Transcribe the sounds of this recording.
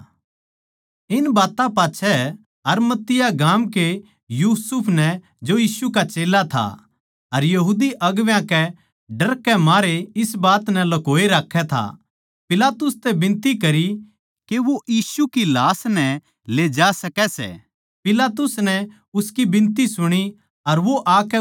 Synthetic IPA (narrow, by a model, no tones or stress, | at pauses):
ɪnbaːt̪ãpaːtːʃʰɛ | ɐɾmɐt̪ːɪjaɡaːmke | juːsʊpʰnɛ | d͡ʒojiːsukat͡ʃeːlat̪ʰa̰ | ɐɾjɐɦuːd̪iʔɐɡʋjãkɛ | ɖɐɾkːɛmaːɾeɪsbaːt̪nɛlɐkoːeɾaːkʰːɛt̪ʰa̰ | pɪlaːt̪ʊst̪ɛbɪ̃nt̪ikɐɾi | keʋojiːsukilaːsnɛ | leːd͡ʒaːsɐkɛsɛ̰ | pɪlaːt̪ʊsnɛ | ʊskibɪ̃nt̪isʊɽ̃i | ɐɾʋoʔaːkɛ